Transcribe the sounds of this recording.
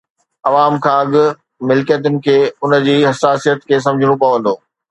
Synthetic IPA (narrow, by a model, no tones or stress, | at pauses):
ɐʋaːmkʰãːɐɠʊ̆ | mɪlkijət̪̬ʊnɪ̆kʰeːʊnə̆d͡ʑiːɦɐsaːsijət̪kʰeːs̬ɐ̃md͡ʑʱɪɽ̃opɐʋɐ̃nd̪oː